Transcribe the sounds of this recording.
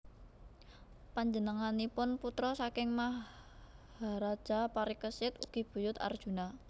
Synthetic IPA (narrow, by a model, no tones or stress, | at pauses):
paɲd͡ʒənəŋanipʊnput̪ɾɔsakɪŋmah | haɾad̥ʒ̥a̤paɾikəsɪt̪ṵɡ̥i̤b̥ṳjʊt̪a̰rd̥ʒ̥ṳna